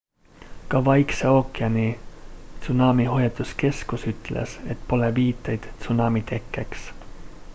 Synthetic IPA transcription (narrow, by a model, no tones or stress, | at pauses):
kɑʋɑikseokːeɑnit̪sunɑmiɦojɑt̪uske̞skusyt̪læ̰set̪poleʋiːt̪ːejt̪t̪sunɑmit̪ekːæks